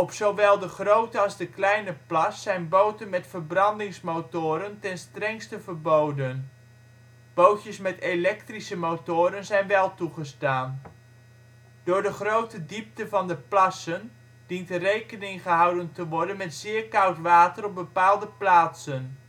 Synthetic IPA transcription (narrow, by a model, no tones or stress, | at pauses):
ɔpsowʋɛlˠdəχrowtəɑlˠzdəklɛjnəplɑsːɛjnbowtənmɛtfərbrɑndɪŋsmowtʊːɾəntɛnstrɛŋstəvəɹbowdən | b̥owtjəsmɛtelɛk̚trisəmotʊːɾənzɛjnʋɛlˠtuχəstaːn | d̥ʊːɹdəχrowtədip̚təvɑndəplɑsən | d̥intərejkənɪŋχəɦɑwdəntəʋɔɹdənmɛtzɪːɹkɑwtʋaːtərɔb̚bəpaːlˠdəplaːtsən